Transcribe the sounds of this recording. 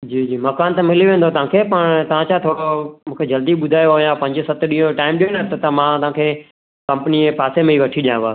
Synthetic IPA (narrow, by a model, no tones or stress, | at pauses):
d͡ʑiːd͡ʑiːmɐkaːnt̪ɐmɪljoʋẽːn̆d̪ot̪ɐʋ̤ãːkʰeːpɐɾt̪ɐʋ̤ãːt͡ɕaːt̪ʰoːɽomũːkʰed͡ʑɐld̪iɓʊd̪ʱaːjoɦojãpɐ̃ɲd͡ʑsɐt̪ɗĩɦõʈaːɪmɗeːnət̪ɐt̪ɐmãːt̪ɐãːkʰeː | kɐ̃mpniepaːsemẽiːʋɐʈʰiɗijãːʋaː